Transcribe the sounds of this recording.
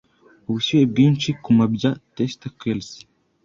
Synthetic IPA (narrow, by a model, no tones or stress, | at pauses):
uβusujeb̚ɡiːnt͡ʃikumabɟatest̪akelsi̥